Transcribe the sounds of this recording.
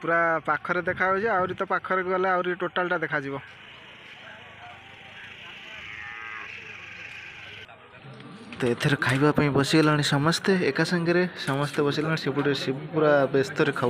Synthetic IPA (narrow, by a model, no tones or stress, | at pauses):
puɾapakʰɔɾed̪ekʰabɔt͡ʃʰeawɾit̪ɔpakʰːɔɾekɡɔleawɾiʈoʈalʈad̪ekʰad͡ʒibɔ | t̪ɔet̪ʰeɾɔkʰajbapaĩbɔsiɡalaɽ̃isɔmɔst̪ʰeːkasaŋɡeɾesɔmɔst̪ʰjebɔsiɡalãisepuɽiɾsibpuɾabest̪ɔɾekʰa